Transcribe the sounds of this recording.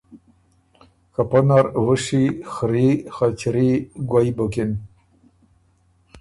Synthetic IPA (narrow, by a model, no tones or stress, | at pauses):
kapanaɾwuʂixɾixat͡ɕɾiɡwajbəkin